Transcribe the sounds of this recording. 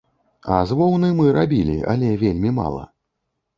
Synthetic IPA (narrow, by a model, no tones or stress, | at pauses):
ɐzvɔwnɨmɨɾabʲilʲḭɐ̰lʲɛvʲelʲmʲima̰lˠɐ̰